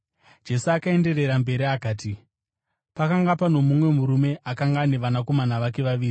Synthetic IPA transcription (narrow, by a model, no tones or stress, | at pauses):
d͡ʒe̞suakae̞nde̞re̞ɾambe̞ɾiakaːti | pakaŋɡapano̞mumwe̞muɾume̞ʔakaŋɡaːne̞ʋanako̞manaʋak̬e̞ʋaʋiːri